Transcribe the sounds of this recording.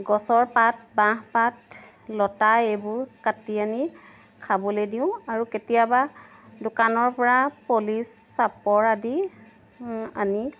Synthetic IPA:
ɡɔsɔɹpat̚bãɦpat | lɔtaebʊɹkatiani | kʰabɔlediʊ̃aɹuketijabadʊkanɔɹpɔɹapolisːapɔɹadi | ani

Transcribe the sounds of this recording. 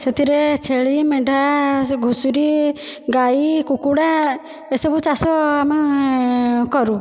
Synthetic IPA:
set̪ʰiɾet͡ʃʰeɭimeɖʱaɡʱusuɾiɡajikukuɽa | esɔbut͡ʃasɔama | kɔɾu

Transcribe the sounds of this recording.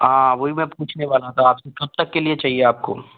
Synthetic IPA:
ãːʋoːɦimɛ̃puːt͡ʃʰneʋaːlat̪ʰaːpsekɐb̚t̪ɐkːeliet͡ʃaːɦieaːp̚ko̰ː

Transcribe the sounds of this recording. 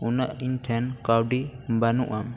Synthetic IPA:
unəʔiɲʈʰɛnkawɖibanuʔam

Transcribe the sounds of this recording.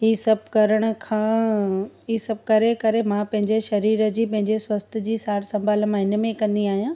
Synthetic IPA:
ɦiːsɐb̚ʱkɐɾəɽ̃ʊ̆kʰãː | iːsɐb̚kɐɾekɐɾemãpɐ̃ɦɪ̃ɲd͡ʑeʃɐɾiːɾə̆d͡ʑiːpɐ̃ɦɪ̃ɲd͡ʑeswɐst̪̆ʰd͡ʑiːsaːɽsɐ̃mbʱaːlmãɦɪnə̆mẽkɐ̃nd̪iaːɦijãː

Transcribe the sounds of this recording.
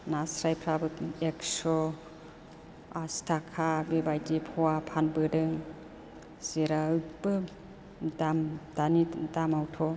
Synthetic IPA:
nasɾajpʰɾabɯeksɔ | astʰakʰabebajdipʰɔwapʰanbɯdɯŋ | z̥eɾaɯk̚bɯ | damd̥anidamawtʰɔ

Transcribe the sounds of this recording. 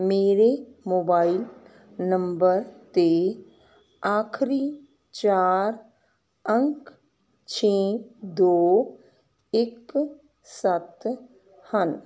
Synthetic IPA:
meːɾemoːbaːɪl | nə̃mbəɾt̪e | aːkʰɾi | t͡ʃaːɾ | ə̃ŋk | t͡ʃʰeːd̪oː | ɪk | sət̪ | hən

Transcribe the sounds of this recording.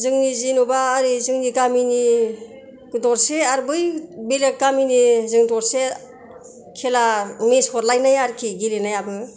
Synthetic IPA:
zɯŋnizinubaːɾizɯŋnikamini | kdɔɾseaɾbɯjbelekaminizɯŋdɔɾse | kʰelameshɔɾlajnajaɾkʰiɡilenajabɯ

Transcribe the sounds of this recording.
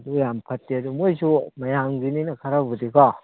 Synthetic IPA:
dujampʰatːiadumuzumajamɡininakʰaɾabɯdiɡɔ

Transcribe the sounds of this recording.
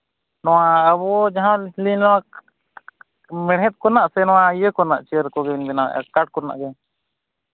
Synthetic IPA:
nɔwaːβɔd͡ʒaɦãlilinnɔwa | mɛɽɦɛt̪̚kɔnaʔsɛnɔwaijəkɔna̰ʔt͡ʃiəɾkɔɡɛnbɛna̰ʔkaʈ̚kɔna̰ʔɡɛ

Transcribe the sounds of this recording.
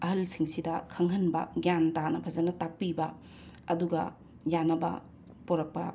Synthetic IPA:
ɐɦɐlsiŋsidɐkʰɐŋɦɐnbɐ̰ɡjantanɐbʰʱɐzɐnɐtak̚pibɐ | ɐduɡɐ̰ | janɐbɐ̰ | poɾɐk̚pɐ̰

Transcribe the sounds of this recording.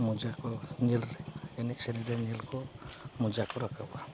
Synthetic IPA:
mud͡ʒakɔnilɛnɛsɛɾidanilkɔmud͡ʒakɔɾakʰaba

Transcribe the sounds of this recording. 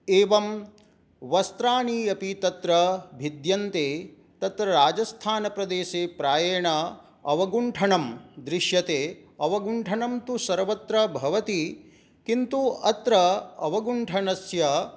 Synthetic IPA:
eːʋɐm | ʋɐst̪ɾaːniːɐpit̪ɐt̪ɾɐbʱid̪jɐnt̪eː | t̪ɐt̪ɾɐɾaːd͡ʒɐst̪ʰaːnɐpɾɐd̪eːʃeːpɾaːjɐːɳɐ | ɐʋɐɡuɳʈʰɐɳɐmd̪ɾiʃjɐt̪eː | ɐʋɐɡuɳʈʰɐɳɐmt̪usɐɾʋɐt̪ɾɐbʱɐʋɐt̪i | kint̪uɐt̪ɾɐɐʋɐɡuɳʈʰɐɳɐsjɐ

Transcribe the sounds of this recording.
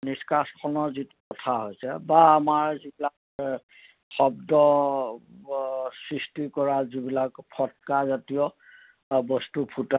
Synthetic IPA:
niskaskʰɔnɔzitukɔtʰaɦojsɛbaːmaɹzibilak | xɔbdɔ | sɹistikɔɹazibilakpʰɔt̚kazatijɔ | bɔstupʰuta

